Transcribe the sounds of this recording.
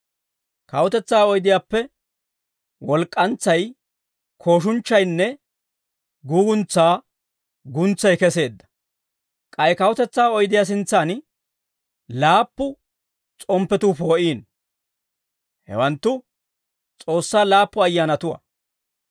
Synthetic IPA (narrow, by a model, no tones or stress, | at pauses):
kɐwʊt̪ɛt͡sːaːɔjd̪ɪjaːpːɛ | wɔlkʼːɐnt͡sːɐj | kʰo̞ːʃ̬ʊnt͡ʃːɐjnːɛ | ɡuːɡʊnt͡sːaː | ɡʊnt͡sːɐjkɛse̞ːd̪ːɐ̥ | kʼɐjkɐwʊt̪ɛt͡sːaːɔjd̪ɪjas̬ɪnt͡sːan | laːpːʊ | t͡sʼɔmpːɛt̪uːpo̞ːʔiːn | hɛ̰wɐnt̪ːʊ | t͡sʼo̞ːsːaːlaːpːʊɐjːaːnɐt̪ʊwɐ̰